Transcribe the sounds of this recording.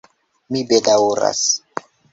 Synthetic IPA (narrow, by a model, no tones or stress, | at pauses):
mibedawɾa̰s